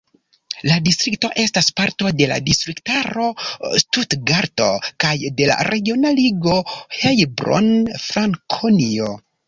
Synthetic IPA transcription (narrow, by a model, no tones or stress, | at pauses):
ladistɾik̚to̞ʔe̞staspaɾto̞de̞la̰distɾiktaɾo̞stutɡaɾto̞̰kajde̞la̰ɾe̞ɡio̞naliɡo̞hejbɾo̰nfɾaŋkʰonio̞